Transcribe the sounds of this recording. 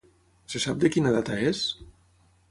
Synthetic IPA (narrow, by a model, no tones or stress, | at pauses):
sesab̚d̪əkinaðat̪aes